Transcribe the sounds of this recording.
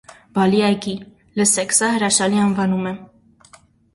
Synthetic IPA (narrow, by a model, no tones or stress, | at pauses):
bɑliɑjɡi | ləsɛkʰsɑɦəɾɑʃɑliɑnvɑnumɛ